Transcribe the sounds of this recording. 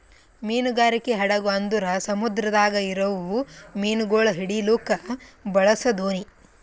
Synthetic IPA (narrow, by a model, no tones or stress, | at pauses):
miːnuɡaːɾikeɦɐɽɐɡuɐnd̪uɾɐsɐmud̪ɾɐd̪aːɡɐiɾɐʋumiːnuɡoːɭɐɦiɽiloːkɐbɐɭɐsɐd̪oːni